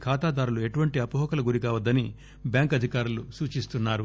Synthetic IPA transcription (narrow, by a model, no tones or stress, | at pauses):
kʰaːt̪aːd̪aːɾulue̞ʈuʋɐɳʈiɐpuɦɔːkɐlɐɡuɾikaːʋɐd̪ːɐni | bjaːŋkɐd̪ʱikaːɾulusuːt͡ʃist̪unːaːɾu